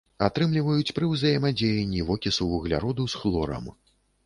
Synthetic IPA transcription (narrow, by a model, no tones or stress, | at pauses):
at̪ɾɨmlʲivɐjut͡sʲpɾɨwzɐjɛmɐd͡zʲejɛnʲːivɔkʲisuvuɣlʲa̰ɾɔd̪usxlˠɔɾɐ̰m